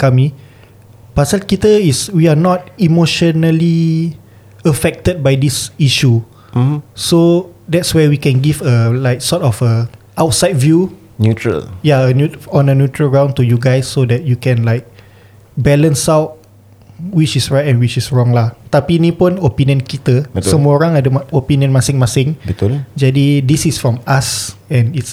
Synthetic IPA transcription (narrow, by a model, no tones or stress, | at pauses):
kami | pasəl̚kitəiswianɔt̚imoʃɔnəli | əfɛk̚təd̚bajdisiʃu | sodɛtswɛwikɛ̃nɡivəlaɪk̚sɔtɔfə | aʊtsaɪt̚vju | njutɹə̰ljaənjuɔ̃nənjutɹəlɡɹãw̃ntujuɡajsːodɛt̚jukɛ̃nlaɪk̚ | bɛlə̃nsawt̚ | wit͡ʃisɹajtɛ̃nwit͡ʃisɹɔ̃ŋlat̪apinĩpɔ̃nopĩniə̃nkit̪əsəmɔɹãŋadəopĩniə̃nmasɪ̃ŋmasɪ̃ŋbild͡ʒadidisisfɹɔ̃masɛ̃nits